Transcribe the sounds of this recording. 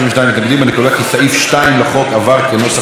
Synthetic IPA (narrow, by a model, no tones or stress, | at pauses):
iveʃtnajmit̪naɡd̪imbanekud̪akisaifʃtaimlaχo̞kavaʁkeno̞sa